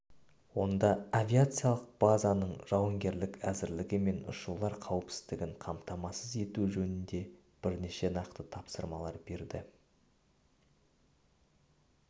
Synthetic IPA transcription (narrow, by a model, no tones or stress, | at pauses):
wo̞nd̪ɑavʲiat̪sɨjalˠəq̚b̥azanəɴʒ̥ɑwəŋɡʲe̞ɾlɪkæzɪɾlɪɡʲɪme̞nʊ̰ʃulˠɑɾqʰɑwəpsɪ̥zt̪ɪɡʲɪɴqʰɑmt̪ɑmɑsəze̞t̪uʒɵnɪnd̪e̞ | b̥ɪɾne̞ʃe̞nɑqt̪ət̪ʰɑpsəɾmɑlˠɑɾbe̞ɾd̪ɪ